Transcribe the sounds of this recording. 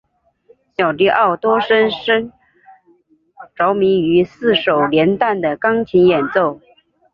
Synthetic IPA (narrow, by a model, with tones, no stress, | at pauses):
ɕjɑ˨˩ʊt̪i˥˧ʔɑ˥˩ʊt̪wɔ˥ʂə˥nʂə˥n | ʈ͡ʂɑ˧˥ʊmi˧˥ŋy˧˥sɹ̩˥˩ʂo˨˩ʊljɛ˧˥nt̪a˥˩nd̪ə˩kɑ˥ŋt͡ɕʰi˧˥ŋjɛ˨˩nt͡so˥˩ʊ